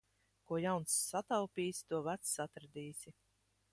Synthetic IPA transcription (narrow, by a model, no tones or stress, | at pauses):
kuɔjawnsːat̪awpʲiːsʲt̪uɔvæt̪sːat̪ɾd̪ʲiːsʲi